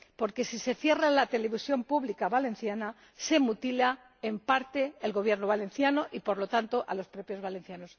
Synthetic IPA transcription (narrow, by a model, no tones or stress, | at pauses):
po̞ɾke̞sise̞fje̞ralat̪e̞le̞βisjo̞mpuβlikaβalẽ̞nθjana | se̞mut̪ila | empaɾt̪e̞ːlɣo̞β̞je̞ɾno̞βale̞nθjano̞ʔipo̞ɾlo̞t̪ant̪o̞ʔalo̞spɾo̞pjo̞zβalẽ̞n̟θjano̞s